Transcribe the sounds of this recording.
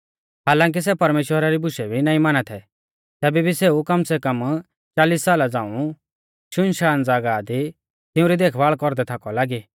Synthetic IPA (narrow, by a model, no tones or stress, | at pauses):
ɦaːlãːŋk̬is̬ɛpɐɾmeːʃwəɾaɾibʊʃɛbʱinaːĩmaːnat̪ʰɛ | t̪ɛːbɛbʱiseːukɐmsɛkɐm | t͡ʃaːliːsːaːlad͡zãːũ | ʃʊnʃaːnd͡zaːɡad̪i | t̪ɪũɾid̪eːkʰʋaːɭkɔɾd̪ɛt̪ʰaːkɔlaːɡiː